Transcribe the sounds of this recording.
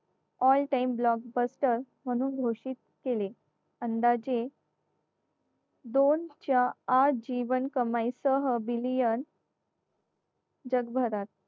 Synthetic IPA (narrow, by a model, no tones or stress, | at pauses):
ɔlʈaimblɔk̚bəsʈəɾ | m̤əɽ̃ũːnɡʱoʂit̪̚ | kele | ənd̪ad͡ʑe | d̪ont͡ɕjaːd͡ʑiʋənkəmajsəɦəbilijən | d͡ʑəɡbʱəɾat̪̚